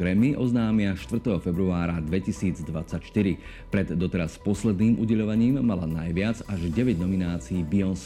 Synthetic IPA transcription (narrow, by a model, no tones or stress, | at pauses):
ɾɛmiʔɔznaːmɪaʃt̪ʋr̩t̪ɛɦɔfɛbɾuaːɾad̪ʋɛcisiːd͡zd̪ʋa̰t͡sacʃt̪iɾi | pɾɛd̪ːɔt̪ɛɾaspɔslɛd̪niːmʔṵɟɛʎɔʋaɲiːmːalanajʋɪad͡zaʒɟɛʋɛɟnɔminaːt͡siiːbiɔns